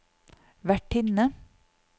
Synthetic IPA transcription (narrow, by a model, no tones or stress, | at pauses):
ʋæʈʰɪnə